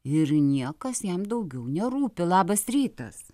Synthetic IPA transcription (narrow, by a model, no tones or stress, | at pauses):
ɪɾnʲiɛkɐsjɛmd̪ɐʊɡʲɛʊnʲɛɾuːpʲɪlˠɑːbɐsɾʲiːt̪ɐ̰s